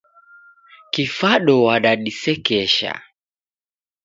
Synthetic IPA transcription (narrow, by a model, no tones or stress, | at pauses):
kifaɗɔwaɗaɗisɛkɛʃa̰